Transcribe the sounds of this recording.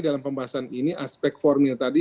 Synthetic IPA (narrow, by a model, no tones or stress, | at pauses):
dalampəmbaɦasaniniʔaspɛk̚t̪̚fɔrmilt̪adi